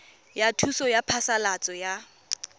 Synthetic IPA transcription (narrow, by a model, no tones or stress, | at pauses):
jatʰusɔjapʰasalat͡sʼɔja